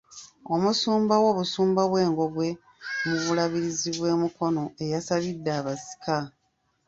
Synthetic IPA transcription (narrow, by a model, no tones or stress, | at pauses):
o̞musuːmbawo̞βusuːmbaβwe̞ːŋɡo̞ɡwe̞ | muβulaβiɾiziβwe̞ːmuko̞no̞e̞jasaβidːaːβasi̥kʰa